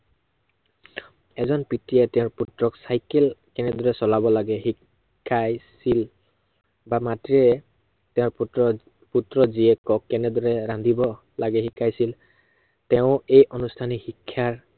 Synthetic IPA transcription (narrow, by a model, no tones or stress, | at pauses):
ɛzɔnpitiɛtɛʊ̃ɹputɹɔksajkɛlkɛnɛdɔɹɛsɔlabɔlaɡɛhikʰː | ajsil | bamatɹiɛ | tɛʊ̃ɹ | putɹɔziɛkɔkːɛnɛdɔɹɛɹandʱibɔ | laɡɛxikʰːajsil | tɛʊ̃ejʔɔnustʰanixikʰːjaɹ